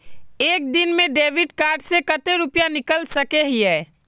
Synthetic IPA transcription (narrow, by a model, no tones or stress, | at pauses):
eːk̚d̪inmẽɖeːʋɪɖkaːɾɖsekət̪eɾupjanɪkəlsəkeɦiɛː